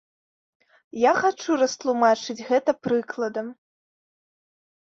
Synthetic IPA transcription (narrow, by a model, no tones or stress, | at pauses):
jaxat͡ʂuɾɐst̪lˠumat͡ʂɨd͡zʲɣɛt̪ɐpɾɨklˠɐd̪ɐm